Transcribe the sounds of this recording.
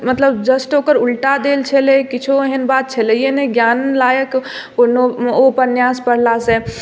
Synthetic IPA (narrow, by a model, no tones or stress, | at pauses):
mət̪ləbd͡ʒəsʈokəɾulʈad̪elt͡ʃʰelekit͡ʃʰoɦənbat̪̚t͡ʃʰəlɛjenɛɡjanlajək | onoopənjaspəɽ̤lase